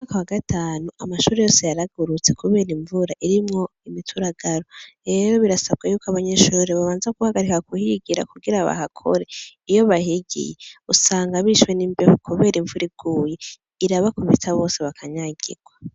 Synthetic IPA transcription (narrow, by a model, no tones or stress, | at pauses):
mumaːkawaɡatʰaːnuʔamaʃuːɾe̞jo̞ːse̞jaɾaɡuɾut͡se̞kuβe̞ːɾiɱvuɾaʔiɾimŋo̞ | imitʰuɾaɡ̥aɾo̞ɾe̞ɾo̞βiɾasaβ̚ɡajuːkaβaɲe̞ʃuːɾeβaβaːnzaɡ̥uhaɡaɾikakuhiɡiɾa̰kuɡiɾaβa̰hakʰo̞̰ɾe̞ijo̞βahiɡḭjeusaːŋɡaβiʃwe̞niːmbehukʰuβe̞ːɾiɱvuɾiɡ̥uːje | iɾaβakuβḭtʰaβo̞ːse̞βakʰaɲaɟḭɡ̥wa